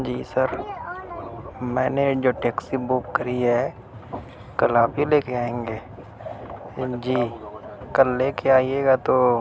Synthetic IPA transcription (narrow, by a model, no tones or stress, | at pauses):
d͡ʒiːsəɾ | mɛ̃ːned͡ʒoːʈɛːksibukːɐɾiɦɛ | kɐlaːpɦileːkeaːẽːŋɡeː | d͡ʒiːkɐlːeːkeaːijeːɡat̪oː